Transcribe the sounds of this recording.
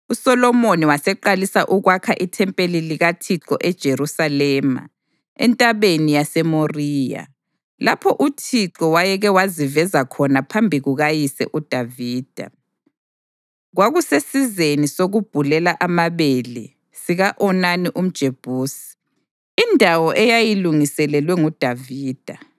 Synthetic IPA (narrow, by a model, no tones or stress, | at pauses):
usɔlɔmoniwasɛǃalisaʔuɣwakʰaʔitʰɛmpʼeliliɣatʰiǁɔʔɛd̥ʒ̥ʱeɾusalɛma̰ | ɛ̰ntʼaβenijasɛmoriːja̰ | lapʰɔʔutʰiǁɔwajɛɣɛwazivɛzakʰɔnapʰambʱiɣuɣajisɛ̰ʔud̥ʱaviːd̥ʱa̰ | ɣwaɣusesizenisoɣub̥ʱulɛlaʔamaβelḭ | siɣaʔɔnaniʔum̩d̥ʒ̥ʱeb̥ʱuːsi̥ | indʱawɔʔɛjajiluŋisɛlɛlwɛŋud̥ʱaviːd̥ʱa